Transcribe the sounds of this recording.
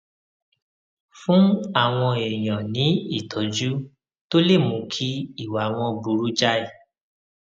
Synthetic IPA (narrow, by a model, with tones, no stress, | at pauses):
fũ˦a˦˨w̃ɔ̃˧e˨j̃ã˨nĩ˨˦i˦˨tʰɔ˨d͡ʒu˦ | to˦le˦˨mũ˨˦kʰi˦i˦˨wa˨w̃ɔ̃˧bu˨˦ɾu˨˦d͡ʒa˦i˦˨